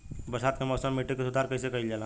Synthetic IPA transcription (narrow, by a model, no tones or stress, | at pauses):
bɐɾsaːt̪̚kemɔːsəmːiʈːikesʊd̪ʱaːɾkɐis̬ekɐɦild͡ʒaːla